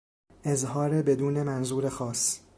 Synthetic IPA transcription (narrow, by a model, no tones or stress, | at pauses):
ʔezɦɒːɾebe̞d̪uːne̞mænzuːɾe̞xɒːs